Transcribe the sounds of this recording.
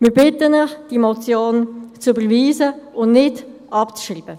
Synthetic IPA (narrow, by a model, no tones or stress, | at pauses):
mɪɾbɪtənəχd̥imɔt͡sjoːnt͡sybəɾviːzəʊnnɪdʔɑpt͡sʃriːbə